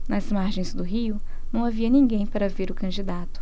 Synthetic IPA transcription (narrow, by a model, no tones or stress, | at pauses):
nɐzmaɾʒẽj̃zd̪ʊɦiʊ | nɐ̃w̃aviɐnĩŋɡẽj̃paɾɐveɾʊkɐ̃d͡ʒid̪at̪ʊ̥